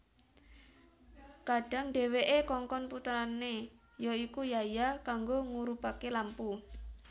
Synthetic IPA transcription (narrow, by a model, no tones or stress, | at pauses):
kaɖ̥a̤ŋɖe̤weʔekɔŋkɔnput̪ɾane | joikujajakaŋɡoŋuɾupakelampu